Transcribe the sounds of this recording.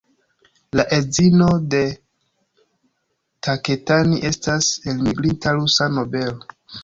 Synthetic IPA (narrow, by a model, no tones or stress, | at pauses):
laʔezino̞de̞ | tʰake̞taniʔe̞stase̞lmiɡɾintaɾusano̞be̞lo